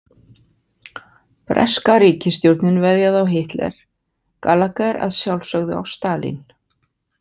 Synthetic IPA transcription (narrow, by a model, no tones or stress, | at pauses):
pɾɛ̰skaɾiːcɪst̪jowɾt̪nɪnvɛðjaðawɦɪht̪lɛ̰ɾ̥ | kalːakaɾa̰ðsjawlsœɣðʏa̰wst̪aːlḭn